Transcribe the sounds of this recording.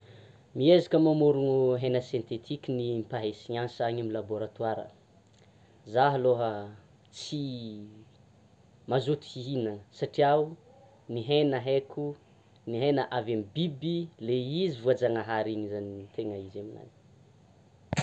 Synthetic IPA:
miezakəmamuɾuŋuɦenəsjent̪et̪ʰikʲinimpaɦesiɲansaɲamilaboɾat̪waɾə̰ | zaɦaloɦə | t͡si | mazut̪iinəsaʈ͡ʂiau | niɦenəɦekʰu | niɦenəʔavamibibileizivuad͡zaŋaɦaɾiɲizanit̪ʰeŋəizemina̰ni̥

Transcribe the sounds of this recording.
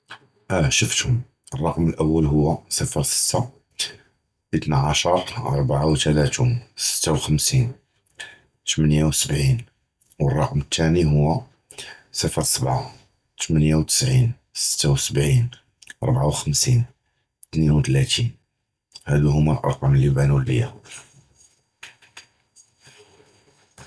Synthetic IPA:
ʃəft̪hʊm | ərˤːɑqməlʔəwːəlɦʊwːæsəfəɾsə̥t̪ːa | bit̪naʕaʃɑɾˤʔɑ̰ɾˤbaʕawt̪ælæt̪unsə̥t̪ʰːawxəmsin | t̪mənjawsəbʕin | wərˤːɑqmət̪ʰːæniɦʊwːæ | səfəɾsəbʕa | t̪mənjawt̪ə̥sʕin | sə̥t̪ːawsəbʕin | ʔɑ̰ɾˤbʕawxəmsin | t̪ninwt̪læt̪ʰin | hæd̪uhʊmːælʔɑɾˤqɑmlːibænulːəjːa

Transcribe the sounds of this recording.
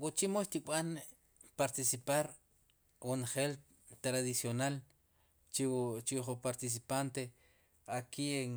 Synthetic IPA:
wut͡ʃimoʃt̪iɓan | paɾt̪isipaɾ | wunχel | t̪ɾaðisjonal | t͡ʃit͡ʃiχupaɾt̪is̬ipant̪e | akieŋ

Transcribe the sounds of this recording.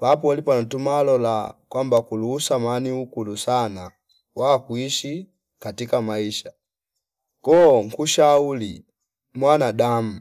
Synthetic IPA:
pap̬ɔlipantumalɔla̰kwambakuluːsamaniukulusana | wakwiʃi | katikamaiʃa | kɔŋkuʃauli | mwanadam̩

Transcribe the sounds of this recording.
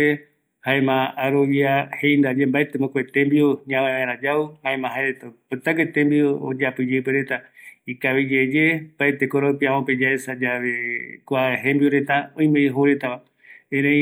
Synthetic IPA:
e | haemãːɾoβiahejnd̪ad͡ʒembaet̪emõkʷet̪embioɲãmãβãeɾ̃ãd͡ʒauhãẽmãɦaeɾet̪apɨt̪akwet̪ẽmbioo̰d͡ʒapɨd͡ʒepeɾet̪aikaβid͡ʒed͡ʒembaet̪ekoɾopiãmõped͡ʒaesad͡ʒaβekʷaeɦembioɾe̞t̪aõj̃mẽiɦoɾet̪aβa | eɾẽ

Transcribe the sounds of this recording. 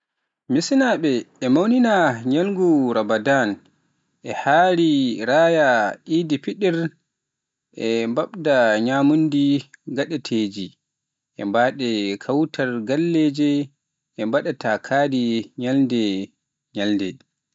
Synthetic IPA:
misnaɓɛɛmawninaɲalŋɡuɾamadan | ʔɛhaːɾiɾaːjaʔidipiɗɛɾ | ʔɛmbaɓdaɲamundiɡaɗɛtʰeːd͡ʒi | ʔɛ̰mbaɗɛkʰawtʰaɾɡalːed͡ʒɛ | ɛmbaɗatakʰaːdiɲalndɛ | ɲalndɛ̰

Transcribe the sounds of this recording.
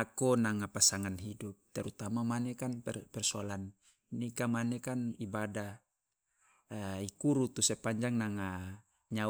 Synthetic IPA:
akɔnaŋapasaŋanɦidup̚t̪ɛɾut̪amamanɛkanpɛrpɛrsɔalan | nikamanɛkanibadah | ikuɾut̪usɛpaɲd͡ʒaŋnaŋa | ɲa

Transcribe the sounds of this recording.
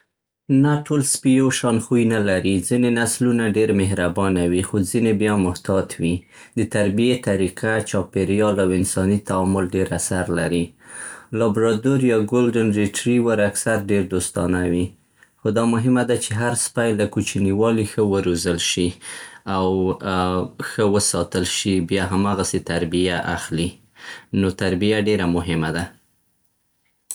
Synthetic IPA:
naʈolspijoʃɑnxujnalaɾid͡zinenaslunaɖeɾmɪɦɾabɑnawixozinebjɑmʊht̪ɑt̪ʰwi | d̪ət̪aɾbijet̪aɾiqʰat͡ʃɑpeɾjɑlawɪnsɑnit̪aɑmʊlɖeɾasaɾlaɾi | lɑbɾɑd̪oɾjɑɡolɖənɾiʈɾiwəɾaksaɾɖeɾd̪ost̪ɑnawi | xod̪ɑmʊɦɪmad̪at͡ʃeɦaɾspajlakut͡ʃiniwɑlixəwəɾozəlʃiaw | xəwəsɑt̪əlʃibjɑɦamɑɣaset̪aɾbijaʔaxli | not̪aɾbijaɖeɾamʊɦɪmad̪a

